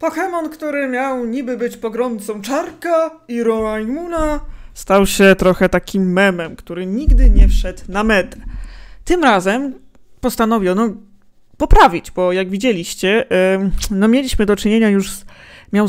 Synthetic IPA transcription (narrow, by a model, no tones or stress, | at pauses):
pɔxɛmɔnkt̪uɾɘmʲjawɲibɘbɘt͡ɕpɔɡɾɔnt̪sɔ̃w̃t͡ʂaɾka | iɾɔajmunast̪awɕɛt̪ɾɔxɛt̪akʲimːɛmɛmkt̪uɾɘɲiɡd̪ɘɲɛfʂɛt̪namɛd̪t̪ɘmɾazɛm | pɔst̪anɔvʲiɔnɔ | pɔpɾavʲid͡ʑbɔjaɡvʲid͡ʑelʲiɕt͡ɕɛ | nɔmʲjelʲiɕmɘd̪ɔt͡ʂɘɲeɲajuʂmʲjaw